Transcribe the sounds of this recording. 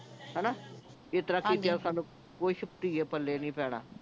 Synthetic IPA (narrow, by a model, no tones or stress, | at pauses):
ɦɛːnaː | et̪əɾaːkiːt̪easaːnũː | koːiːʃʊp̚t̪iːeːpəlːeːnĩːpɛːɽ̃a̰ː